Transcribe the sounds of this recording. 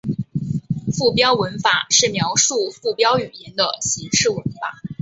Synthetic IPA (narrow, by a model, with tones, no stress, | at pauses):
fu˥˩pjɑ˥ʊwə˧˥nfa˨˩˦ʂɻ̩˥˩mjɑ˧˥ʊʂu˥˧fu˥˩pjɑ˥ʊy˨˩i˧˥nd̪ə˧ɕi˧˥ŋʂɻ̩˥˩wə˧˥nfa˨˩˦